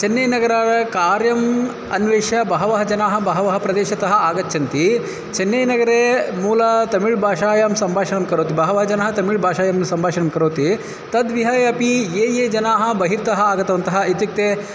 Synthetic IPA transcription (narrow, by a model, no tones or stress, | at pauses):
t͡ʃenːejnɐɡɐɾaːɾɐkaːɾjɐm | ɐnʋeːʃɐbɐɦɐʋɐɦɐd͡ʒɐnaːɦɐ̆bɐɦɐʋɐɦɐpɾɐd̪eːʃɐt̪ɐɦɐ̆aːɡɐtːt͡ʃʰɐnt̪i | t͡ʃenːeːjnɐɡɐɾeːmuːlɐt̪ɐmiɭbʱaːʃaːjɐmsɐmbʱaːʃɐnɐmkɐɾoːt̪ibɐɦɐʋɐɦɐd͡ʒɐnaːɦɐt̪ɐmiɭbʱaːʃaːjɐmsɐmbʱaːʃɐnɐmkɐɾoːt̪i | t̪ɐd̪ʋiɦɐjɐpijeːjeːd͡ʒɐnaːɦɐ̆bɐɦiɾt̪ɐɦɐaːɡɐt̪ɐʋɐnt̪ɐɦɐ̆it̪juk̚t̪eː